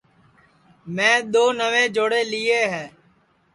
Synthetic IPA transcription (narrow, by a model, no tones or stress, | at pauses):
mɛ̃ːɗ̪oːnəʋẽːd͡ʒoːɽeːlieːɦɛː